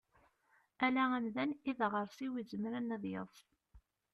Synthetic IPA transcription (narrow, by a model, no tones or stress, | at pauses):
ælææmðæniðʁəɾˤsiwizəmɾænːæðjə̰ðˤ